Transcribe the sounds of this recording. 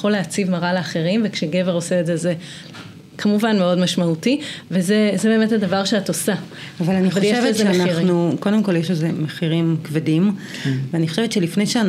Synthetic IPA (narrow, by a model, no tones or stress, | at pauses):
χoleat͡sivmaʁaleaχe̞ʁimvekʃeɡe̞veʁo̞seːdzeze | kʰamuvanmeo̞dmaʃmautivezezebe̞methadavaʁʃeatosa | avalaniχoaljʃeʃvezemeanaiʁnukodemko̞ljeʃezemeχiʁimkvedim | veaniχoʃevett͡ʃʃelifnejʃean